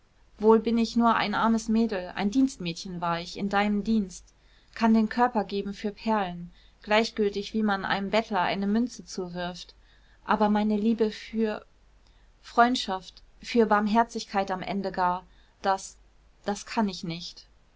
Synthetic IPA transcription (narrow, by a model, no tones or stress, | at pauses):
v̥oːlbɪnɪçnuːɐʔa̰ɪnʔaɐməsmeːdl̩ʔa̰ɪndiːnstmɛːtçənvaːɐɪçɪndaɪnəmdiːnst | kʰandeːnkʰœɐpɐɡeːbm̩fyːɐpʰɛɐlən | ɡ̥laɪçɡ̥ʏltɪçv̥iːmanʔa̰ɪnəmbɛtʰlɐʔa̰ɪnəmʏnt͡sət͡suːvɪɐft | ʔaːbɐmaɪnəliːbəfyːɐ | fʁ̥ɔʏntʃaftfyːɐbaɐmɦɛɐt͡sɪçkʰaɪtamʔɛ̰ndəɡaːɐ | d̥as | d̥askʰanɪçnɪçt